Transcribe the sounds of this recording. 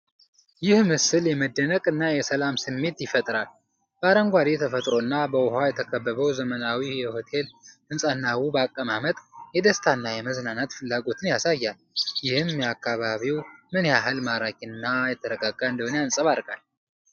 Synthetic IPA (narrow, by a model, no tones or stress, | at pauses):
jɪhmɨsɨljɛməd̪ːənəkʼɨnːajɛsəlamsɨmːe̞t̪jɪfət̪ʼɾal | b̥əaɾəŋɡʷad̪et̪ʰəfət̪ʼɾo̞ɨnːabəwʊɦajɛt̪ʰəkʰəbːəβəwzəmənawijɛho̞t̪ʰe̞lɨnsʼanːawubakʼːəmamət̪ʼjɛd̪əst̪ʰanːajɛməznanat̪fɨlːaɡo̞t̪ʰɨnjasajːal | jɪhɨmjɛakʰːaβaβiwmɨnjaɦɨlmaɾakʼinːajɛt̪ʰːəɾəɡʼaɡʼaɨnd̪əhunjansʼəβaɾkʼal